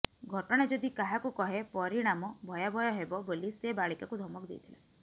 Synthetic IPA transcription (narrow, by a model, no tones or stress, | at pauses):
ɡʱɔʈɔɽ̃ad͡ʒɔd̪ikaɦakukɔɦepɔɾiɽ̃amɔbʱɔjabʱɔjɔɦebɔbolisebaɭikakud̪ʱɔmɔkɔd̪ḛjt̪ʰila̰